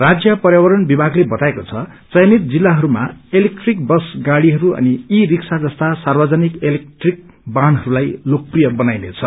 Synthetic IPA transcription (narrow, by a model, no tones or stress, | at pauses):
rad͡zjʌpʌrjawʌɾʌnbibʱaɡlebʌt̪aekot͡sʰʌ | t͡sʌjnit̪̚d͡zilːaɦʌɾuma̰elek̚ʈrik̚bʌsɡaɽiɦʌɾuʌ̰niiriksad͡zʌst̪asarbʌd͡zʌnikelek̚ʈrik̚ | banɦʌɾulajlok̚prijʌbʌnajnet͡sʰʌ